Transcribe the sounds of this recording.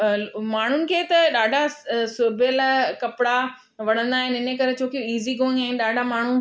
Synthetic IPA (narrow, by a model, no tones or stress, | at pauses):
maːɳ̤ʊnɪ̆kʰeːt̪ɐɗaːɖʱasʊbʱəlkɐpɪɽa | ʋɐɽ̤ə̃nd̪aːɦɪnɪnəkɐɾet͡ɕʰoːkioiːziɡõːŋɛ̃ːɗaːɖʱamaːɳ̤u